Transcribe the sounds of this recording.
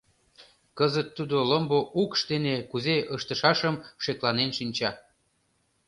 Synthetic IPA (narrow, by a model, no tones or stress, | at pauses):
kəzət̪ːud̪oləmboʔukʃt̪enekuzeʔəʃt̪əʃɑʃəmʃeklɑnenʃinʲt͡ɕɑ